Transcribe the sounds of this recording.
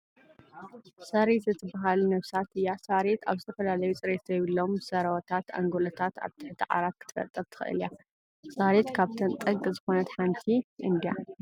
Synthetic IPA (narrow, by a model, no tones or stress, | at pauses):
sɐɾet̪zɨt̪ʰɨbaɦalunɐβsat̪ɨjːasaɾet̪a̰βzɨt̪ʰɐfɐlalɐjut͡sʼɨɾet̪ʰjɪβɨlːo̞msɐɾɐwɐt̪ʰat̪a̰ŋɡolɐt̪ʰat̪a̰βt̪ʰɨ̥ħɨt̪ʰɨʕa̰ɾat̪̚kʰɨ̥t̪ʰɨ̥fɐ̰t̪ʼːɐɾt̪ʰɨ̥xɨ̰ʔɨ̰lja | saɾet̪kʰaβt̪ʰɐnt̪ʼɐɡzɨxo̞nɐt̪ħant̪ʰiʔɨnd̪ija